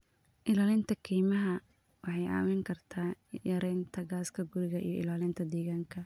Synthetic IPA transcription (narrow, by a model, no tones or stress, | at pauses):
ʔɪlaːlɪnt̪ʰɐkʰiːmɐɦɐ | wɑħɑjʔa̰ːmɛŋkʰɐrt̪ʰaːjɐɾɛjnt̪ʰɐɡaːskʰɐɡʊɾɪɣɐʔḭjɔʔɪ̰laːlɪnt̪ʰɐd̪ɛːɣaːŋkʰɐ